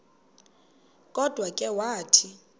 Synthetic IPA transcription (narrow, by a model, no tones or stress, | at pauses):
kʼɔd̥ʱwakʼɛwaːtʰi